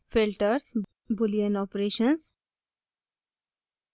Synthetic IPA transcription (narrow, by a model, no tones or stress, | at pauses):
fɪlʈəɾs | bʊliə̃nɔːpɾeːʃə̃ns